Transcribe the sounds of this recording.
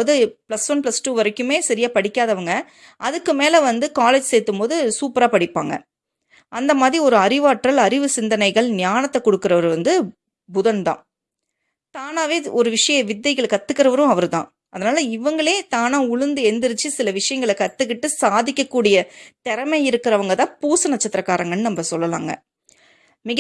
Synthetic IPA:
ɐðɯplɐsʋɐnplɐsʈuːʋɐɾɐkːɯmeːsɐɾɪjaːpɐɽɪkːaːðɐʋɐŋɡɐ | ʔɐðɯkːɯmeːlɐʋɐnd̪ɯkaːleːd͡ʒseːt̪ːɯmpoːðɯsuːpɾaːpɐɽɪpːaːŋɡɐ̰ | ʔɐnd̪ɐmaːðɾiɔɾɯɐɾɪʋaːʈɾɐlɐɾɪʋɯsɪnd̪ɐnɐɪɣɐɭnɪjaːnɐt̪ːɐkɔɽɯkːɪɾɐʋɐɾʋɐnd̪ɯ | bʊðɐnd̪ã̰ː | t̪aːnaːʋeːɔɾɯʋɪʂɐjɐ̃ʋɪd̪ːɐɪɣɐɭkɐt̪ːɯkːɪɾɐʋɐɾɯ̃ɐʋɐɾɯt̪ã̰ː | ʔɐðɐnaːlɐɪʋɐŋɡɐɭeːt̪aːnãːʊɻɯnd̪ɯɛnd̪ɪɾɯt͡ʃːɯsɪlɐʋɪʂɐjɐŋɡɐɭɛkɐt̪ːɯkːɪʈːɯsaːðɪkʲːɐkːuːɽɪjɐt̪ɛɾɐmɐɪɪɾɯkːɪɾɐʋɐŋɡɐt̪ãːpuːsɯnɐt͡ʃːɐt̪ːɪɾɐkːaːɾɐŋɡɐnːɯnɐmːɐsɔlːɐla̰ːŋɡɐ̰ | mɪɣ

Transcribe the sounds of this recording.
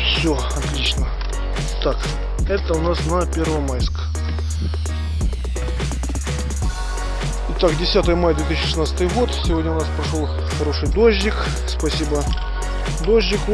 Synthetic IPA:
fsʲo | ɐt̪lʲit͡ɕnə | t̪ak | ɛt̪əʊnasnɐpʲe̞rvəmajskə | ɪt̪akdʲɪsʲat̪əjəmajəd̪vʲet̪ɨiɕːɪʂɨsnat̪sət̪ɨjɣo̞t̪sʲɪvʲo̞dʲnəʊnaspɾɐʂolˠ | xɐɾo̞ʂɨjd̪oʑʲːɪk | spɐsʲibə | d̪oʒʲːɪk

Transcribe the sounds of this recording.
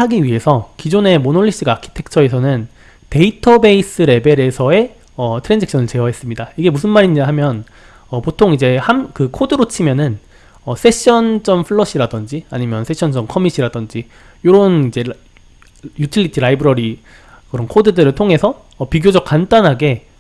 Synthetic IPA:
haɡiɥiɦe̞sʰʌkid͡ʑone̞monoɭːiɕ͈iɡaakʰi̥tʰe̞k̚t͡ɕʰʌes̬ʰʌnɯn | te̞itʰʌbe̞is͈ɯɾe̞be̞ɾe̞sʰʌe̞ | ʌtʰɯɾend͡ʑekɕʰʌnɯɭt͡ɕe̞ʌɦe̞s͈ɯmɲidaiɡe̞musʰɯnmaɾiɲiɦamjʌn | ʌpotʰoŋid͡ʑe̞hamkɯkʰodɯɾot͡ɕʰimjʌnɯn | ʌs͈ʰe̞ɕ͈ʌnt͡ɕʌmpʰɯɭːʌɕ͈ʰiɾadʌnd͡ʑiaɲimjʌnsʰeɕʰʌnd͡ʑʌnkʰʌmiɕ͈ʰiɾadʌnd͡ʑi | joɾonid͡ʑe̞ | jutʰiʎːitʰiɾaibɯɾʌɾi | kɯɾʌnkʰodɯdɯɾɯɭtʰoŋɦe̞sʰʌːpiɡjod͡ʑʌk̚k͈ant͈anɦaɡe̞

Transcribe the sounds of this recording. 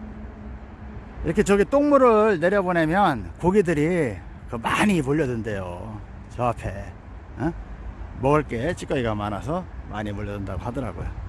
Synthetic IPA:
ḭɾʌkʰet͡ɕʌɡit͈oŋmuɾɯɭne̞ɾjʌbonemjʌnkoɡidɯɾi | kɯmaɲimoʎːʌdɯnde̞jo̰ | t͡ɕʌapʰe̞ | mʌɡɯɭk͈e̞t͡ɕʰi̥k͈ʌiɡamanas̬ʰʌmʔa̰ɲimoʎːʌdundaɡohadʌɾa̰ɡo̰jo

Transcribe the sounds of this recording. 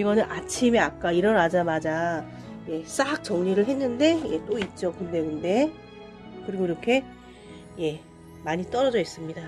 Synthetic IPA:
iɡʌnɯnʔat͡ɕʰimeak̚k͈aiɾʌnad͡ʑamad͡ʑa | je̞s͈aak̚t͡ɕ͈ʌŋɲiɾɯɭɦe̞nːɯnde̞je̞t͈oit̚t͡ɕ͈okɯnde̞kɯnde̞ | kɯɾiɡiɾʌkʰe̞ | je̞ | maɲit͈ʌɾʌd͡ʑʌis͈ɯmɲida

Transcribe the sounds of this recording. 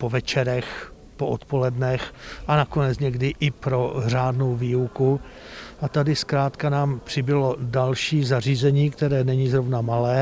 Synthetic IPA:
povɛt͡ʃɛɾɛx | poʔot̪po̞lɛdnɛxʔanako̞nɛt͡sɲɛɡdɪʔɪpɾo̞r̝aːdnowviːuku | ʔat̪adɪskɾaːt̪kanaːmpr̝̥ɪbɪlo̞dalʃiːzar̝iːzɛɲiːkt̪ɛɾɛːnɛɲiːzɾo̞vnamalɛː

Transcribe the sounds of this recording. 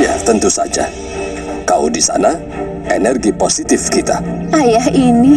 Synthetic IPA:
ja̰t̪ənt̪usa̰d͡ʒa̰ | kao̰disa̰na | enɛrɡiposit̪ɪfkit̪aʔajaɦini

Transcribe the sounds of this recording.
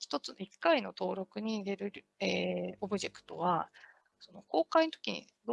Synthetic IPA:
çi̥t̪o̞t͡sɨnoikːaino̞t̪o̞ːɾo̞kɯ̟ɲ̟iːɾe̞ɾɯ̟ɾeo̞bɯ̟ʑe̞kɯ̟̥t̪o̞βa | so̞no̞ko̞ːkainot̪o̞kʲiɲ̟ḭ | d̪

